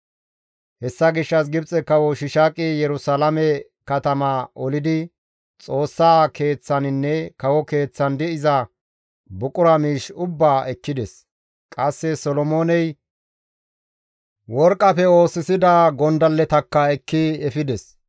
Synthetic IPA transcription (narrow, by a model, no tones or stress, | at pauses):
hɛsːɐɡɪʃːɐsɡɪbt͡sʼɛkːɐwɔʃɪʃaːkʼɪjɛɾʊsalɐmɛ | kɐt̪ɐmɐɔlɪd̪ɪ | t͡sʼo̞ːsːaːke̞ːt͡sːɐnɪnːɛkɐwɔke̞ːt͡sːɐnd̪ɪɪzɐ | bʊkʼʊɾɐmiːʃʊbːaːʔɛkːɪd̪ɛs | kʼɐsːɛsɔlɔmoːnɛj | wɔɾkʼːɐfɛo̞ːsɪsɪd̪ɐɡɔnd̪ɐlːɛt̪ɐkːɐɛkːɪɛfɪd̪ɛs